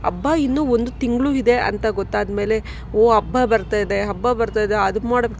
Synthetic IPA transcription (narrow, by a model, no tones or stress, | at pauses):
ɐ̰bːainːuːond̪ut̪iŋɡɭuːid̪e̞ʔɐ̰nt̪ɐɡot̪ːaːd̪me̞ːle̞ | oːɐbːabɐɾt̪aːjid̪e̞ɦɐbːabɐɾt̪aːjd̪eɐd̪umaːɽɐb